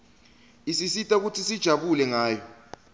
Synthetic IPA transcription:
isisitʼauk̬utʰisid̥ʒ̥ʱaɓulɛŋaːjɔ

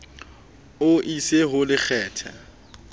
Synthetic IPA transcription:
ʊʔiseɦʊlɪk͡xʰɛːtʰa

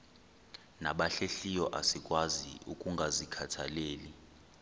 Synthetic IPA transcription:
naɓaɬeɬijɔʔasikʼwazḭukʼuŋɡʱazikʰatʰaleːli

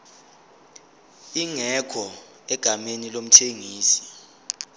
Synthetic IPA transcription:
iŋɛkʰɔ | ɛɡ̥ʱamenilom̩tʰeŋiːsi̥

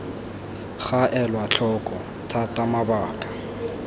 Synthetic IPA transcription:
χaʔɛlwat͡ɬʰɔkʼɔ | tʰatʼamabaːkʼḁ

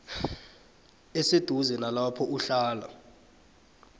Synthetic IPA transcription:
esed̥ʱuzɛnalapʰɔʔuɬaːla̰

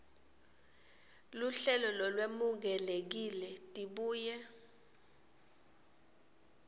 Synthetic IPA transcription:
luɬɛlɔlɔlwemuk̬ɛlek̬ilɛtʼiɓuːjɛ

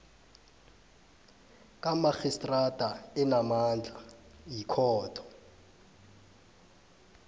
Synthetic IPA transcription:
kʼamaxistʼradʼʱaɛnamand͡ɮʱajikʰɔːtʰɔ̥

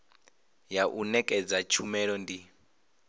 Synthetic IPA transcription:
jaʔunɛkʼɛd͡zat͡ʃʰumɛɺɔndi

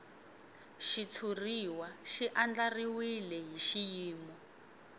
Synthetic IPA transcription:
ʃit͡sʰuriwaʃiʔand͡ɮariwilɛɦiʃijiːmɔ

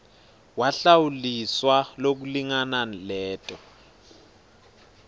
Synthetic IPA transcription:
waɬawuliswalok̬uliŋanalɛːtʼɔ

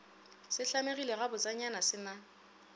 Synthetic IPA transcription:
sɪɬameɣileɣabʊt͡sʼaɲanasɪna

